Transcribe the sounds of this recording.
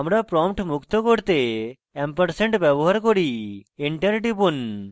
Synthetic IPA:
amɾapɾɔmpʈmukt̪ɔkoɽt̪e | empəɾseɳʈbɛbɔɦaɾkɔɾiiɳʈəɾʈibun

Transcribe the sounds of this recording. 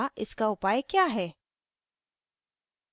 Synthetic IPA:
ʔɪskaʊpaːjkjaːɦɛː

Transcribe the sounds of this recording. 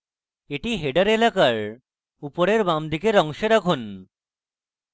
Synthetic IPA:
eʈiɦeɖaɾelakaɾ | upoɾeɾbamd̪ikeɾɔŋʃeɾakʰun

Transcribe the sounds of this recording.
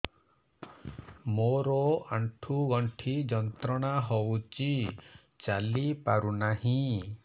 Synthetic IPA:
moɾɔaɳʈʰuɡɔɳʈʰid͡ʒɔnt̪ɾɔɽ̃aɦowt͡ʃi | t͡ʃalipaɾunaɦĩ

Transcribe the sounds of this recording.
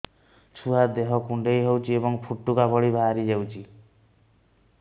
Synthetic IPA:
t͡ʃʰuɦad̪eɦɔkuɳɖejɦewt͡ʃʰiebɔŋpʰuʈːukabɔɭibʱaaɾid͡ʒewt͡ʃʰi

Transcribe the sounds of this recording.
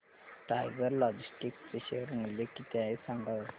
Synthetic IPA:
ʈajɡəɾlɔd͡ʑisʈikt͡seɕeɾmilekit̪ɛesãŋɡa

